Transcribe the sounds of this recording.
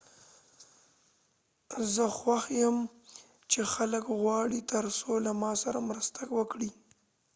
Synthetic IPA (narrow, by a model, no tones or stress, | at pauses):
zəxwaxjəm | t͡ʃexaləkɣwɑɽit̪əɾsolamɑsaɾamɾəst̪akwəkɽi